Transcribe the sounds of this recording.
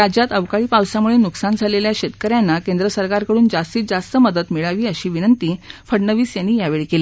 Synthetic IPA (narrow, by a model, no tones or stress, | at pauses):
ɾad͡ʑjat̪əʋkaɭiːpaʋsjamuɭenuksand͡zʱaleljaɕet̪kəɾjanːakend̪ɾəsəɾkaɾkəɽuːnd͡zast̪iːt͡sd͡zast̪əməd̪ət̪miɭaʋiːəɕiːʋinənt̪iːfəɽɳəʋiːsjanːiːjaʋeɭikele